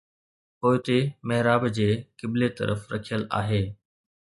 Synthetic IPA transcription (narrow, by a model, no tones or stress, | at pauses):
poːɪt̪emɐɦɪɾaːbd͡ʑeːkɪblet̪ə̰ɾə̰fɾəkʰijəla̰ːɦeː